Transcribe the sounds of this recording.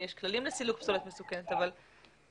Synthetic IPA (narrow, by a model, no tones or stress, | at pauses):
jeʃklalimlesilukpsolot̪mesukenet̪aval